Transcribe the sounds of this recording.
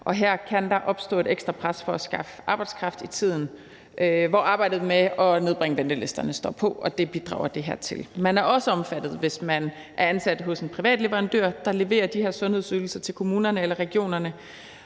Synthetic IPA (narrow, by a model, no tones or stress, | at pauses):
ʔɒ̽ɦæɐ̰kʰænd̥ɑ̈ʔɒ̽b̥sd̥ɔ̰̽ːe̝ɾ̥eɡ̥sd̥ʁɐpʰʁasfɒ̽æsɡ̥ɑ̈fəʔɑ̈ːb̥ɪd̥skʰʁɑ̈fd̥it͡sʰið̞̰ˠn̩ | ʔʋɒɑ̈ːb̥ɑ̈ɪd̥ð̞̩ˠmeɒ̽ne̝ð̞ˠb̥ʁɛŋəʋend̥əle̝sd̥ɐnəsd̥ɒ̰pʰɒ̽ɒ̽d̥e̝b̥id̥ʁɑ̰̈ːʊɐd̥e̝ɦæ̰ɐ̰t͡sʰe̝lmænæɐɒ̽səɒ̽mfæd̥ð̩ˠʋe̝smæn | ʔæɐænsæd̥ɦɔ̽se̝npʰʁiʋɛ̰ːd̥le̝ʋɐʁɑ̈nd̥øɐd̥ɑ̈le̝ʋe̝̰ːɐd̥iheɐ̰sɔ̽nhe̝ðˠsøːl̩sɐt͡sʰe̝lkʰo̝muːnɐnəelɐʁɛɡ̥jo̝̰ːnɐnə